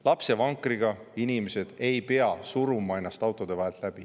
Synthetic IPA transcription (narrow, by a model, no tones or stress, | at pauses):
lɑpse̞vɑŋkːˑriɡ̥ɑinimese̞d̪̥e̞jpe̞ɑsuɾumɑe̞nːɑst̪ɑwt̪ːˑo̞d̪̥e̞vɑɦelt̪ˑlæb̥i